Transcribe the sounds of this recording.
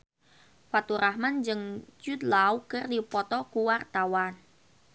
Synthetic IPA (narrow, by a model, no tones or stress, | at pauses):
fat̪uɾʔahmand͡ʒɨŋt͡ʃut̪lawkɨrdipɔt̪ɔkuwart̪awan